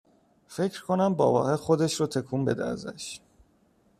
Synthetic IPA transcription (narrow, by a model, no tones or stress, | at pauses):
fe̞cʰɾkʰonæmbɒ̰ːvɒ̰ːhexo̞d̪eʃɾɔt̪ʰekʰuːmbed̪ḛæ̰zæ̰ʃ